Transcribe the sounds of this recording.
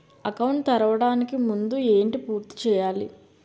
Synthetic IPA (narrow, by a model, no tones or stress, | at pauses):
ɐkɐwɳʈt̪ɐɾɐʋɐɽaːnikimund̪ueːɳʈipuːɾt̪i̥t͡ʃɛːjaːlḭ